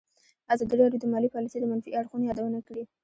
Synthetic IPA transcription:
azɑd̪iɾɑdjod̪əmɑlipɑlisejd̪əmanfḭaɽxunojɑd̪awənakɽi

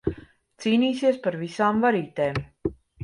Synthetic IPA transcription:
t̪siːniːsiɛspaɾvisaːmvaɾiːt̪eːm

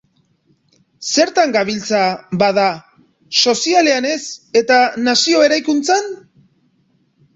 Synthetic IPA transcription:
se̞ɾt̪aŋɡaβilt͡sabaða | so̞siale̞ane̞se̞t̪anasio̞e̞ɾajkunt͡san

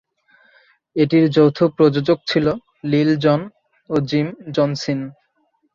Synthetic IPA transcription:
eʈiɾd͡ʑowt̪ʰopɾod͡ʑod͡ʑoɡ̚t͡ɕʰilo | lild͡ʑɔn | od͡ʑimd͡ʑɔnsin

